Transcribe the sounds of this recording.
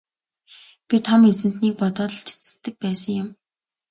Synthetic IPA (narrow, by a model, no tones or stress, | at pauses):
pʲit̪ʰɔmet͡sɘ̆n̥t̪niːk̚pɔt̪ɔːt̪ɞ̆ɬt̪ʰi̥t͡sɘ̥̆st̪ɘ̆k̚pæːsə̆ŋjʊm